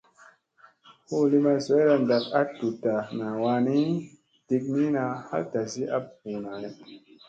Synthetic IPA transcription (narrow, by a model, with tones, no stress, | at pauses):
hu˦˨li˦ma˨so˨˦ɾa˨nda˨k̚a˦tu˨ta˨na˨wa˧˦ni˦ | d̥i˦k̬̚ni˦na˧ha̰˦lta˨si˦ʔa˦b̚hu˨na˨nɛ˨